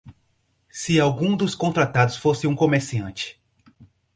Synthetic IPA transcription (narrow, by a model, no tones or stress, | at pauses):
sɪawɡũd̪ʊskõnt̪ɾat̪ad̪ʊsfosɪũkomeɾsiɐ̃nt͡ʃɪ̥